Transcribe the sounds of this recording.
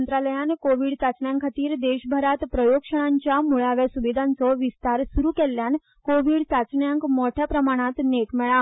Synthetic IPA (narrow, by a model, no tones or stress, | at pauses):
nt̪ɾaləjankoʋiɽsat͡sɳjãŋkʰət̪iɾd̪eʃbʱəɾat̪pɾəjokʂəɽ̃ãɲt͡ɕamuɭaʋesuʋid̪ʱãnsɔʋist̪aɾsuɾukeljan | koʋiɽsat͡sɳjãŋkmɔʈʰjapɾəmaɽ̃ãt̪neʈmɛɭa